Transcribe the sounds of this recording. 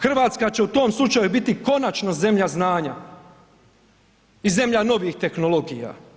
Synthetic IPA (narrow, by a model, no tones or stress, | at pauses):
xr̩ʋaːt̪skat͡ɕe̞ut̪o̞ːmslˠut͡ʃajubit̪iko̞nat͡ʃnoze̞mʎaznaːɲa | ize̞mʎano̞ʋixt̪e̞xno̞lo̞ɡija̰ː